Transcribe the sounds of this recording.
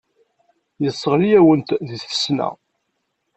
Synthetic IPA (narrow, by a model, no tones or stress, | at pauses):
jəsˤːəʁlijæwənt̪ðiθə̥snæ̰